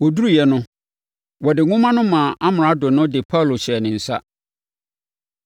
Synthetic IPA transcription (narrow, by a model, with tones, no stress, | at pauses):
wɔ˨du˦ɾu˦jɛ˨nʊ̃˦ | wɔ˨dɪ˨ŋʊ̃˦mã˦nʊ̃˦mãː˨ʔa˦mɪ̃˨ã˨˦dʊ˨nʊ̃˦dɪ˨pʰa˦˨lo˨ɕɪ˨ɛ˨nɪ̃˨n̩˨sa̰˦